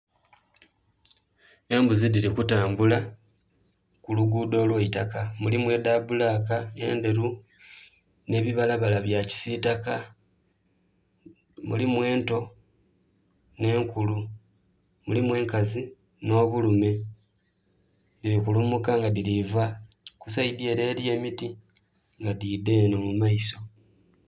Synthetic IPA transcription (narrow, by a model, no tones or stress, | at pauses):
e̞ːmbuzidiɾikutaːmbula | kuluɡuːdo̞ːlweitakamulimwe̞daːbulakae̞ːnde̞ɾu | ne̞ːβiβalaβalaβjaci̥sitaka | mṵlimwe̞ːnto̞ | ne̞ːŋkulu | mulimwe̞ːŋkazi | no̞ːβulume̞ | diɾikulumukaŋɡadiliva | kusaid̪ie̞ɾe̞ːlje̞ːmiti | ŋɡadiːdeːno̞mumaiso̞